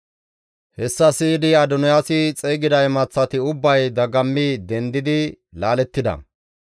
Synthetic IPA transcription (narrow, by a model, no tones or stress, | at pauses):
hɛsːɐsiːd̪ɪɐd̪ʊnɔjaːsɪt͡sʼeːɡɪd̪ɐjmɐt͡sːɐt̪ɪʊbːɐjd̪ɐɡɐmːid̪ɛnd̪ɪd̪ɪ | laːlɛt̪ːɪd̪ɐ̰